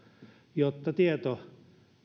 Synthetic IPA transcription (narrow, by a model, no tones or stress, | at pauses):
jot̪ːɑt̪iet̪o